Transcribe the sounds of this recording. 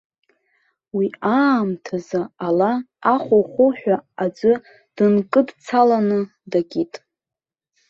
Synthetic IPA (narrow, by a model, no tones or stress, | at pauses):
wiaːmtʰazaala | aχʷoχʷʊħʷᶣaad͡zʷɨ | d̥ɨnkʼɨdt͡sʰalanɨ | daɡʲitʼ